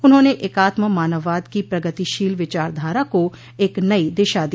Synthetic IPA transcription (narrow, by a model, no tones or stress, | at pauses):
ʊnɦõːneʔeːkaːt̪məmaːnəʋːaːd̪kipɾɐɡət̪iʃiːlʋɪt͡ʃaːɾd̪ʱaːɾako | eːknɐid̪ɪːʃad̪i